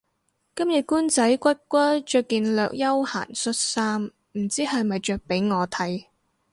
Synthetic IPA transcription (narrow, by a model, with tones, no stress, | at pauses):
kɐ˥mjɐ˨t̚kuː˥nt͡sɐ˨˥jkʷɐ˥t̚kʷɐ˥t͡ʃœː˨˧kːiː˨nlœː˨k̚jɐ˥wha̰ː˨˩nsɵ˥t̚saː˥m | m̩˨˩t͡siː˥hɐ˨jmɐ˨jt͡ʃœː˨k̚pe˨˥jŋɔː˨˧t̪ʰɐ˨˥j